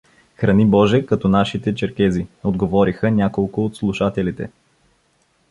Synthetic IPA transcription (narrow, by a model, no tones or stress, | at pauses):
xɾɐnibɔʒɛkɐt̪ɔnaʃit̪ɛt͡ʃɛɾkɛziod̪ɡovɔɾixənʲakolˠkʊːt̪slˠuʃat̪ɛlit̪ɛ̰